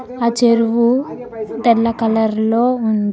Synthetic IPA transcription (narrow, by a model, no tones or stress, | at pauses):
aːt͡ʃeɾuʋu | d̪ɛlːɐkɐlɐɾlo̞ːund̪i